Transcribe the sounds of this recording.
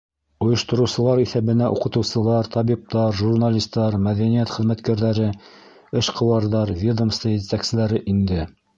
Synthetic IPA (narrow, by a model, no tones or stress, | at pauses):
ŏjɤ̆ʃt̪ɤ̆ɾɤ̆wsɤ̆lˠɑɾiθæβɘ̆næʔṵqɤ̆t̪ɤ̆wsɤ̆lˠɑɾt̪ʰɑβip̚t̪ɑɾʒurnalʲist̪ːɑɾmæðænijæt̪χɘ̆ðmæt̪kæɾðæɾɘ | ɘʃqɤ̆wɑɾðɑɾvʲid̪əmst̪ɤjɘt̪æksɘ̆læɾɘʔind̪ɘ